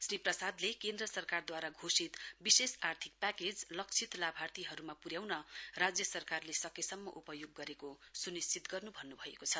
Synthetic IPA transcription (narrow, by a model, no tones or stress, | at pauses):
sriprʌsad̪lekend̪rʌsʌrkard̪waɾaɡʱosit̪bisesart̪ʰik̚paked͡zlʌk̚t͡sʰit̪labʱart̪iɦʌɾumapuɾjawnʌrad͡zjʌsʌrkarlesʌkesʌmːʌ̰ʔupʌjoɡːʌɾekosunist͡sit̪ɡʌrnubʱʌnːubʱʌḛkot͡sʰʌ